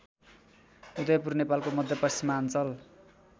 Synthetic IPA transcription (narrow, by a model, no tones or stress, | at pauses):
ud̪ʌjʌpurnepalkomʌd̪ʱjʌpʌst͡simːaant͡sʌl